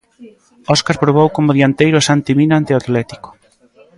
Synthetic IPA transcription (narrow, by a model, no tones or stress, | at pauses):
ɔskaɾpɾoβowkomʊðjant̪ejɾʊasant̪iβinant̪eat̪lɛt̪i̥ko̥